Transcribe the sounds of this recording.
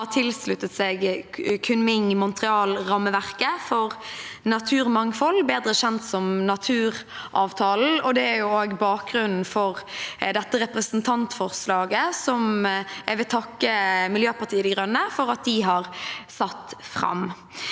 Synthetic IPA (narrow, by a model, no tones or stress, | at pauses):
ɑt̪ʰɪlslʉt̪ːət̪seːɡkʰʉnmɪŋmʊnt̪ɾɪɑːlɾɑmːəʋæʁkəfɔʁnɑt̪ʰʉːɾmɑŋfɔlːbeːd̪ʁəɕɛnt̪sɔmnɑt̪ʰʉːɾ | ʔɑːʋt̪ʰɑːl̩ɔd̪ɛæɾjʊoːɡbɑːk̚ɡɾʉnn̩fɔʁd̪ɛt̪ːəʁɛpɾəsən̩t̪ʰɑnt̪fɔʁslɑːɡəsɔmæʋɪlt̪ʰɑkːəmɪljøːpʰɑʁt̪ʰiːəd̪ɛɡʁœnːəfɔʁɑt̪̚d̪ɪɦɑʁsɑt̪ːfʁɑ̰m